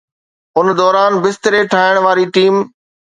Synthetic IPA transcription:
ʊnd̪ɔːɾaːnbɪst̪ɪɾeʈʰaːɪəɽ̃ʋaːɾiʈiːm

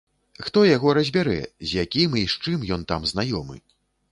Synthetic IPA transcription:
xt̪ɔjaɣɔɾɐzʲbʲaɾɛ̰zʲjakʲimiʂt͡ʂɨmjɔnt̪amznajɔmɨ̰

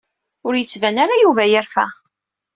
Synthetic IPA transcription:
ʊɾjət͡sːvænaɾajuvæjəɾfæ̰

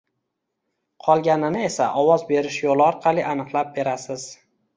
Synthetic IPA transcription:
qʰɒlˠɡʲanɪnɪe̞saʔɒwɒzbe̞ɾɪʃjolˠɪɒɾqʰɑlˠiʔanɨqlˠap̚be̞ɾasɪz̥

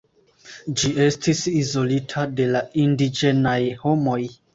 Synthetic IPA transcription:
d͡ʒie̞stʰisizo̞litʰade̞laindid͡ʒe̞najho̞mo̞j

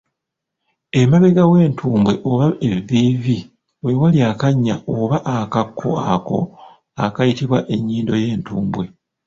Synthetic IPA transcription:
e̞maβe̞ɡawe̞ːntʰuːmbwe̞ʔoβaeviːvi | wewaliakaɲːaoβaʔakakːo̰ako̞̰ | akajitiβwaʔe̞ɲːiːndo̞je̞ːntuːmbwe̞

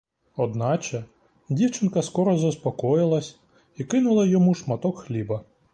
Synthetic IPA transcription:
ɔd̪nɑt͡ʃɛ | dʲiwt͡ʃɪnkɐskɔɾɔzɐspɔkɔjɪlˠɐsʲ | ikɪnʊlˠɐjɔmuʃmɐt̪ɔkxlʲibɐ

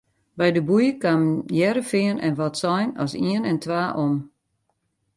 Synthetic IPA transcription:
bɛjdəbujəkamjɛɾəfɪənɛnʋɔtsɔjnɔsiənɛntʋaːʔom

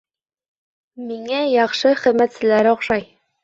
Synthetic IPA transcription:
miŋæjɑχʃɤχɘ̆ðmæt̪sɘ̆læɾŏχʃɑj

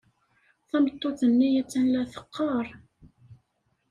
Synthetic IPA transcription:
θæmət̪ˤːoθənːijæt͡sːænlæθə̥qːɑɾˤ

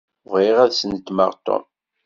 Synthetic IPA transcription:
viʁæðsənt̪ːmə̰ʁt̪ːo̰m

